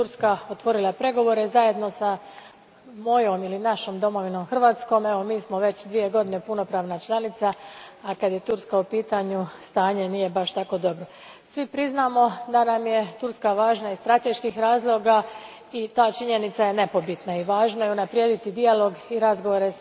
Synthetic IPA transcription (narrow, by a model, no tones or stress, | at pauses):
t̪uɾskaot̪ʋo̞ɾilˠapɾe̞ɡo̞ʋo̞ːɾe̞zaje̞d̪no̞sa | mo̞jo̞milinaʃo̞md̪o̞mo̞ʋino̞mxr̩ʋaːt̪sko̞ːme̞ʋo̞miːsmo̞ʋe̞t͡ɕd̪ʋije̞ɡo̞d̪ine̞puno̞pɾaːʋnat͡ʃlˠanit̪saːkad̪je̞t̪uɾskaupiːt̪aːɲust̪aːɲe̞niːje̞baʃt̪ako̞ːd̪o̞bɾo̞ | sʋipɾiznaːmo̞d̪anamje̞t̪uɾskaʋaːʒnaist̪ɾat̪e̞ʃkiːxɾaːzlˠo̞ɡa | it̪aːt͡ʃiɲe̞nit̪saje̞ne̞po̞bit̪naiʋaːʒnajeunapɾjeːd̪it̪id̪ialo̞ɡiɾazɡo̞ʋoɾe